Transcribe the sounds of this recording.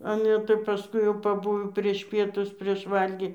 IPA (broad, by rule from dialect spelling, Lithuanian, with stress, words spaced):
ˈɑːlʲɛ tɐɪ pɐˈskʊɪ jɛʊ pɐˈbʊʋoː pʲrʲiɛʃ ˈpʲiɛtʊs pʲrʲiɛʃ ˈʋɐlʲɡʲiː